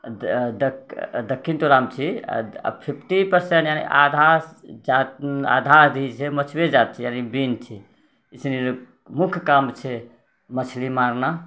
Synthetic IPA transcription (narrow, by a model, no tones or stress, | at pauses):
d̪əd̪əkʰːinʈ̪uɾamt͡ʃʰḭ | pʰipʰʈipəɾsẽɳʈjanḭʔad̪ʱad͡ʒat̪a̰d̪ʱaɾd̪ʱit͡ʃʰɛmət͡ʃʰbed͡ʒat̪̚t͡ʃʰijanibint͡ʃʰɛ | isni | mukʰjkamt͡ʃʰɛ | mət͡ʃʰlimaɾna